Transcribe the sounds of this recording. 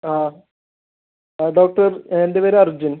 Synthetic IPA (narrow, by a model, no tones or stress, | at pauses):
aː | ɖoːk̚ʈɐrendeʋɐɾeɐrd͡ʑin